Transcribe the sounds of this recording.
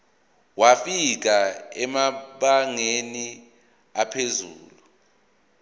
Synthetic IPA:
wafik̬aɛmaɓaŋeni | apʰezuːlu

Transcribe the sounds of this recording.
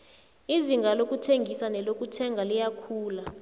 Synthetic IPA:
iziŋɡʱalokʼutʰeŋɡʱisanɛlokʼutʰɛŋɡʱalijakʰuːla

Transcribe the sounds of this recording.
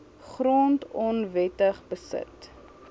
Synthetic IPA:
χroːntɔnvɛtəχbəsə̰t

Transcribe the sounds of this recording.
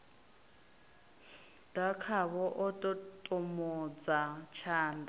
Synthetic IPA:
d̥akʰaβɔʔɔtʼɔtʼɔmɔd͡zat͡ʃʰaːnda

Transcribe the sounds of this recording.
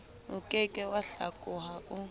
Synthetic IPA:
ṵkʼɛkʼɛwaɬa̰kʼuɦaʔʊ

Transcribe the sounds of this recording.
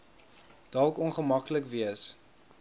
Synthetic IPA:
d̥ɔlˠkɔnχəmɐkləkviəs

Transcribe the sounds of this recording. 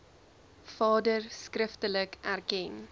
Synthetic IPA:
fɑːdərskrəftələkʔærkɛn

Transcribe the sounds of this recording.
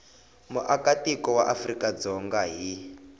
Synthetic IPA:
muʔakatikɔwaʔafrikad͡zɔŋɡaɦi

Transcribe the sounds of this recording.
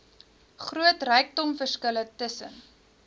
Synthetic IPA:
χruətrɛjk̚dɔmfərskələtəsən

